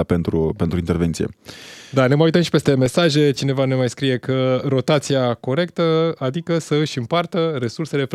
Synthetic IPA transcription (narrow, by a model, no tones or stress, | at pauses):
pe̞nt̪ɾupent̪ɾuint̪eɾve̞ntsije̞̰d̪aneməaujt̪əmʃi̥pe̞st̪e̞me̞saʒe̞t͡ʃine̞vane̞majskɾije̞kəɾo̞t̪at̪siako̞ɾe̞k̚t̪əad̪ikəsəɨʃʲɨmpart̪əɾe̞surse̞le̞f